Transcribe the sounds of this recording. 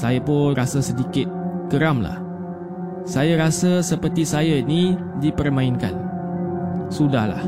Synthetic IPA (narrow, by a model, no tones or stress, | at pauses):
sajapʊnrasəsədikɪt̪̚kəɾamla̰h | sajaɾasəsəpərt̪isajaini | dipərmãɪnka̰n | sudahla̰h